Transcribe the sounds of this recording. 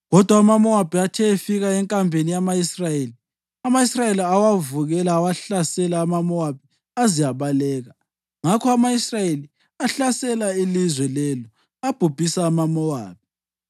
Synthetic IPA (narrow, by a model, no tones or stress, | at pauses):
ɣɔd̥ʱwaːmamɔab̥ʱiatʰɛefiɣaɛŋkʼambʱenijamajisrajeːli | amajisrajeliawavuɣɛlaːwaɬasɛlaːmamɔwab̥̚ʱi | azijaβalɛːɣa | ŋakʰɔamajisrajeli | aɬasɛlailizwɛlɛlɔ | ab̥ʱub̥ʱisaːmamɔwa̰ːb̥̚ʱi